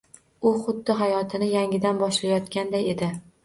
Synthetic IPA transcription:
ʊχʊd̪ːɪɦajɒt̪ʰɪnɪjaŋʲɪd̪anbɒʃlajɒt̪kʲand̪aje̞d̪ɪ

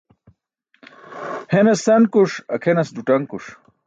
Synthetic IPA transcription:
henɐst̪ɐnkuʂɐkʰenɐsd̪uʈɐŋkuʂ

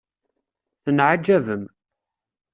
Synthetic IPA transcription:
θənʕad͡ʒːævəm

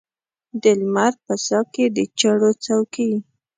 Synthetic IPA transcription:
d̪ɪlmaɾpəsɑked̪ət͡ʃaɽot͡sawkiwi

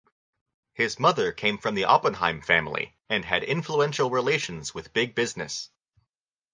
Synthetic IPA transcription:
hɪzmʌðə˞kʰẽɪ̃ɱfɹʌ̃mðiʔɑpə̃nɦã̰ɪ̃ɱfæ̃mlˠḭ | ɨ̃nɨɾɪ̃ɱfluɛ̃nʃl̩ˠɹileɪʃɨ̃n̩z̥wɨðbɪɡ̚bɪznɨs

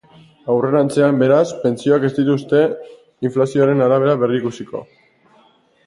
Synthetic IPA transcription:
awre̞ɾant͡se̞ambe̞ɾaspe̞nt͡sio̞ake̞zd̪it̪ust̪e̞ | iɱflasio̞aɾe̞naɾaβ̞e̞ɾaβe̞riikusiko̞̰

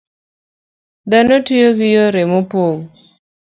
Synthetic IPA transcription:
d̪anotijoɡɪjoɾemopoɡ

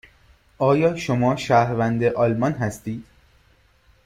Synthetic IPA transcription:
ʔɒːjɒːʃomɒːʃæːhɾvænd̪eʔɒːlmɒnɦæst̪iːd̪̥

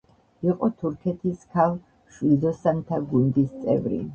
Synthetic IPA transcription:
iqʼɔt̪ʰuɾkʰɛt̪ʰiskʰalˠ | ʃwild̪ɔsant̪ʰaɡund̪ist̪sʼɛ̰vɾḭ

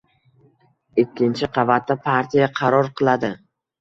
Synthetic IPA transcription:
ɪkʲːɪnt͡ʃʰɪqʰɑvat̪ːapʰaɾt̪ʰijaqʰɑɾɒɾqʰɨlˠad̪ɪ

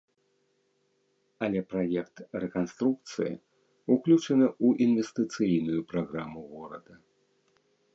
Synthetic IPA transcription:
ɐlʲɛpɾajɛkt̪rɛkanst̪ɾuk̚t̪sɨjḭ | uklʲut͡ʂɐnɨuʔinvʲɛst̪ɨt̪sɨjnujupɾaɣɾamuɣɔɾɐ̰d̪ɐ

